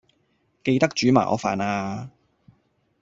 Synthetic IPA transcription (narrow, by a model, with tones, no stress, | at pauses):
ke˧jt̪ɐ˥k̚t͡ʃyː˨˥ma̰ː˨˩ʔɔ̰ː˨˧fa̰ː˨˩naː˧